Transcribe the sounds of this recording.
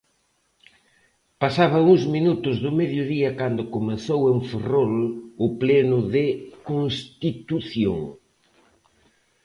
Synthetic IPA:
pasaβ̞ɐuŋzminut̪ʊzðʊmeðjʊðiɐkand̪ʊkomeθoweɱferolʊplɛnʊðɪkoŋst̪it̪uθjo̰ŋ

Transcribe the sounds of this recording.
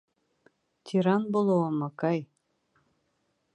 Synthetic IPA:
t̪ʲʰiɾɑnbolˠowɤmɑkɑj

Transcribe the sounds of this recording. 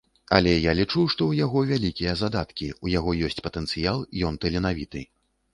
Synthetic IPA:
ɐ̰lʲɛjalʲit͡ʂuwʂt̪ɔwjaɣɔvʲalʲikʲijɐzad̪at̪kʲiujaɣɔjɔsʲt͡sʲpɐt̪ɛnsɨjalˠjɔnt̪ɛlʲɛnavʲit̪ɨ

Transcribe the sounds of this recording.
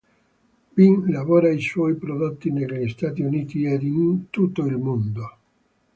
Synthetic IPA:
binlavoːɾaiswɔjpɾod̪ot̪ːineʎːist̪at̪iuniːt̪ied̪int̪ut̪ːoilmond̪o

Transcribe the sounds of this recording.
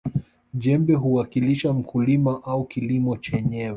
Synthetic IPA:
ʄɛmbɛɦuwakiliʃam̩kulimaʔaukilimɔt͡ʃɛɲɛwɛ

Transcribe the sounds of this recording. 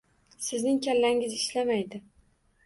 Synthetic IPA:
sɪznɪŋkʲʰalːaŋɪzɪʃlamajd̪ɪ

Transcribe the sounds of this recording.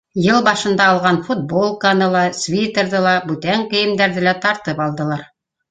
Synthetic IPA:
jɤlˠbɑʃɤ̆nd̪ɑːlˠʁɑnfut̪̚bolˠkɑnɤlˠɑsvʲit̪eɾðɤlˠɑbʉt̪æŋkɘ̆jɘ̆md̪æɾðɘlæt̪ɑɾt̪ɤpɑlˠd̪ɤ̆lˠɑɾ

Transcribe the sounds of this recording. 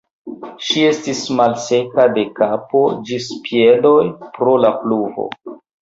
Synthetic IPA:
ʃie̞stismalse̞kade̞kapo̞d͡ʒispie̞do̞jpɾo̞lapluvo̞̰

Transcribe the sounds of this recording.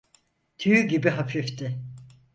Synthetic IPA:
t̪ʰyjyɟibiɦafʰift̪ʰɪ

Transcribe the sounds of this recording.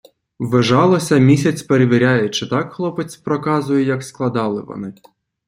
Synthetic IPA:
ʋɪʒɑlˠɔsʲɐmʲisʲɐt͡sʲpeɾeʋʲiɾʲajʊt͡ʃɪt̪ɑkxlˠɔpet͡sʲpɾɔkɑzʊjɛjɐksklˠɐd̪ɑlˠɪʋɔ̰nɪ

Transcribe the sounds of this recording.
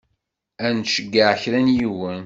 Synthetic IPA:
ænʃəɡːəʕəçɾænjiwən

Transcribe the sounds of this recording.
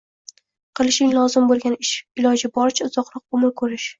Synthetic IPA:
qʰɨlˠɪʃɪŋlˠɒzɪmbolˠɡʲanɪʃɪlɒd͡ʒɪbɒɾt͡ʃʰaʊzɒqɾˠɒq̚omɪɾkʰɵɾɪʃ

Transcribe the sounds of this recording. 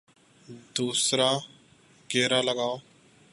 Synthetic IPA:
d̪uːsɾaː | ɡeːɾaːləɡaːoː

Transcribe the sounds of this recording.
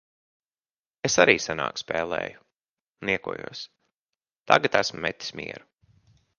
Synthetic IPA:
esaɾiːsana̰ːkspɛːlˠɛ̰ːju | niɛkuɔjuɔs | t̪a̰ɡat̪æsmʊmːɛt̪ʲːi̥smʲḭɛɾu

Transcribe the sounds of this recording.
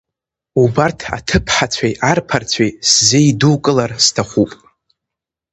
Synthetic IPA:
ubartʰa̰tʰɨpʰħat͡ɕʷʰajʔarpʰart͡sʷʰajszejduwkʼɨlarstʰaχʷupʼ

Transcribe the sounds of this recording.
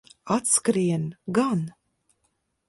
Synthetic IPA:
at̪skɾiɛnɡan

